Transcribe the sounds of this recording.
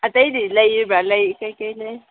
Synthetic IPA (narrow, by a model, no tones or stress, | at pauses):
atajidilajibalajikakala